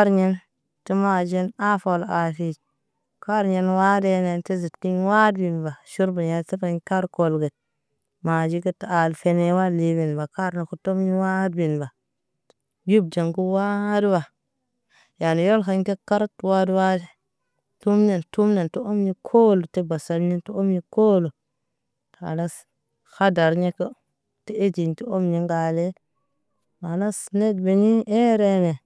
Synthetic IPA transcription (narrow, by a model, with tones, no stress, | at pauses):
ka˦ɾɲe˦n | ti˦ma˨d͡ʒe˦na˦fo˨la˨fi˦ | ka˦ɾɲe˦nwa˦de˦ne˨nte˦zi˨tki˦ɲwa˦dbi˨nba˨ʃu˦ɾba˨ɲa˦si˦fa˨ɲka˦ɾko˦lɡe˨t̚ | ma˨d͡ʒi˦kə˦tːa˨lfe˦ne˦wa˦li˦bi˨nba˨ka˦ɾna˨ku˨to˦mɲi˦wa˦dbi˨nba˨ | ju˦b̚d͡ʒa˨ŋku˦wa˦di˦ba˨ | ja˨ni˨jo˦lka˨ɲ˦te˦ka˦ɾtwa˦dwa˦de˦ | tu˦mne˨ntu˦mne˨nto˦o˦mɲi˦kʰo˦lo˨te˦ba˨sa˨lɲi˦nto˦o˦mɲi˦ko˦lo˨ | ta̰˨la˦s | xa˦da˨ɾɲe˦ko˦ | te˦e˦d͡ʒi˨ɲti˦o˦mɲi˦ŋɡa˨le˦ | ma˨na˦sne˦dbe˨ni˦e˦ɾe˦ne˨